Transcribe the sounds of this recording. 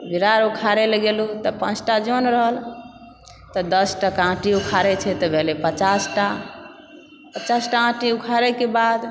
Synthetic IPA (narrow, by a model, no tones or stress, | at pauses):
bʱiɾaɾukʰaɾeləɡelut̪ɔpã̰t͡ʃʰʈad͡ʒonɾəɦəl | t̪ɔd̪əsʈakãʈiukʰaɾɛt͡ʃʰɛt̪ɔbʱelepət͡ʃasʈa | pət͡ʃasʈaãʈiukʰaɾɛkebad̪